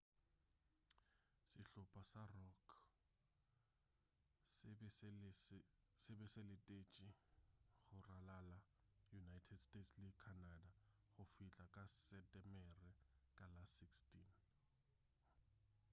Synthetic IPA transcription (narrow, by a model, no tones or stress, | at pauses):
sɪɬʊpʰʼasarɔkʰ | sɪbɛselɪtʼet͡ʃʼiɣʊralalajunajtʰɛdstʼetslɪkʰanada | ɣʊfit͡ɬʼakʼasɛtʼɛmɛrɛkʼalasikstʰʼin